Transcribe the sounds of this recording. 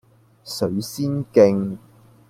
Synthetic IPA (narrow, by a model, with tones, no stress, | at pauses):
sɵ˨˥ɥsiː˥nkɪ˧ŋ